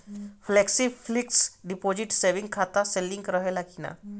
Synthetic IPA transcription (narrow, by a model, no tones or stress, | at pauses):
fʰleːksipʰlɪksɖipoːd͡ʒɪʈseːʋɪ̃ŋɡ̚kʰaːt̪aselːɪ̃ŋɡɾəɦelakʰina̰ː